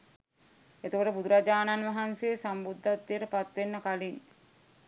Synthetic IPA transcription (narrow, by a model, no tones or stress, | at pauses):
et̪əkəʈəbud̪uɾad͡ʒaːnanʋaɦansejːsambud̪ʱːat̪ːijəɾəpat̪ʋenːəkalin